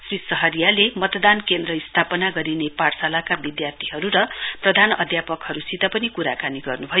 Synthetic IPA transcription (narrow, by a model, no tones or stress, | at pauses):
srisʌɦʌɾijalemʌt̪d̪ankend̪rʌist̪ʰapʌnaɡʌɾineparsalakabid̪jart̪ʰiɦʌɾuɾʌprʌd̪ʱanʌd̪ʱjapʌkhʌɾusit̪apʌnikuɾakaniɡʌrnubʱʌjo